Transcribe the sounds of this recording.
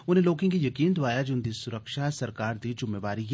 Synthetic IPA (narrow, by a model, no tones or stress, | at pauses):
ʊnɦẽloːkɪ̃kijɐkiːnd̪ʊaːjad͡ʒʊnd̪isʊɾəkʃasɐɾkaːɾd̪id͡ʒʊmːeʋaːɾi